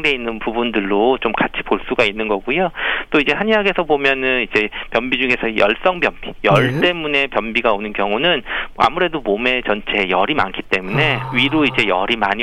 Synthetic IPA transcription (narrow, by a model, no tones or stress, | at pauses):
ŋde̞inːɯnpubundɯɭːot͡ɕomkat͡ɕʰi̥poɭs͈uɡainːɯnɡʌɡujot͈oid͡ʑe̞haɲjaɡe̞sʰʌbomjʌnɯnid͡ʑe̞pjʌmbid͡ʑuŋe̞sʰʌjʌ̰ɭs͈ʌŋbjʌmbijʌɭt͈e̞mune̞pjʌnbiɡaonɯnkjʌŋunɯna̰muɾe̞domome̞t͡ɕʌnt͡ɕʰe̞jʌɾima̰nkʰi̥t͈e̞mune̞ɥiɾoid͡ʑe̞jʌɾimaɲi